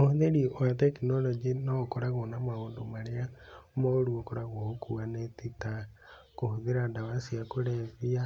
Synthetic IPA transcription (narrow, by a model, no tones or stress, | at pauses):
ohuðeɾiatɛkinɔlɔd͡ʒinɔkoɾaɣonamaoːndomaɾeaomɔoɾuokoɾaɣokʰuanetita | kohoðeɾandaβasiakoɾɛvia